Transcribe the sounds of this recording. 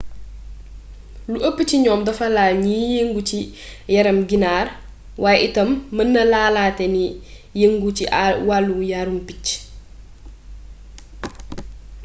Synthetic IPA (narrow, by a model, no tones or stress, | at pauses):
luʔəpːəciɲɔːmdɐfɐlaːlɲijeŋɡut͡ʃijɐɾɐmɡinaːr | wʔaːjʔitɐmːənːɐlaːlaːtɛni | jeŋɡuciwalːujaɾumpic